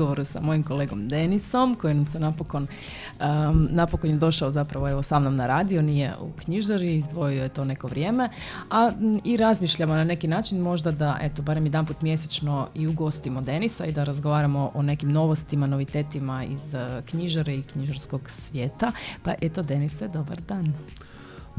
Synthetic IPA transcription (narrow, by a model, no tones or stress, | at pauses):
oʋoɾusa̰mo̞jimko̞leːɡomd̪e̞niso̞mko̞jinamsenapokon | ənapokonjed̪o̞ʃaozapɾaʋoe̞ʋosamnomnaɾaːd̪io̞nije̞̰ʔṵkɲiʒaɾiːzd̪ʋo̞iojet̪o̞ne̞ko̞ʋɾjeːme̞aiɾazmiːʃʎamo̞nane̞kinaːt͡ʃinmo̞ʒd̪ad̪aʔet̪obaːɾemjed̪anput̪mje̞set͡ʃno̞iuɡo̞st̪imod̪e̞nisaid̪aɾazɡo̞ʋaːɾamo̞ʔone̞kimno̞ʋost̪imano̞ʋit̪e̞ːt̪imaḭzkɲiʒaɾeikɲiʒaɾsko̞ɡsʋje̞ːt̪apaʔe̞t̪od̪e̞nised̪o̞ba̰ɾd̪aːn